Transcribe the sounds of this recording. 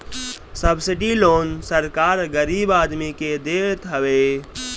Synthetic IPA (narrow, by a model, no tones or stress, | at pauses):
səbsiʈilonsəɾkaɾɡəɾibad̪miked̪et̪ɦəʋe